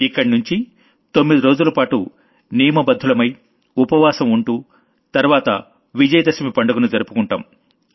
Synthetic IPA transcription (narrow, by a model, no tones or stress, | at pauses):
ikːɐɽnuɲt͡ʃi | t̪o̞mːid̪iɾoːd͡ʒulɐpaːʈu | nijɐmɐbɐd̪ʱːulɐmɐj | upɐʋaːsɐmuɳʈuː | t̪ɐɾʋaːt̪ɐ̰ | ʋid͡ʒɐjɐd̪ɐsɐmipɐɳɖɐɡunud͡ʒɐɾupukuɳʈa̰ːm